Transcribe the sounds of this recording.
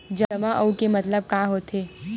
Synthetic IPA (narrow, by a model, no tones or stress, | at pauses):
d͡ʒɐɐmaʔəukemɐt̪ləb̚kãːɦoːt̪eː